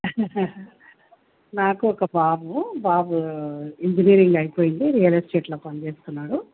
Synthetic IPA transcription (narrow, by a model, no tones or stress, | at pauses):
naːkuɔkɐbaːbubaːbuiɲd͡ʒiniːɐɾiŋɡɐjipoːjind̪iɾijɐlesʈeːʈloːpɐnit͡ʃeːsu̥t̪unːaːɽu